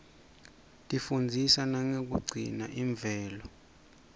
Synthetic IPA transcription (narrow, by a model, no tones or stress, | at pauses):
tʼifund͡zʱisanaŋek̬uɡ͡ǀʱḭnaʔiɱb̪vʱɛːlɔ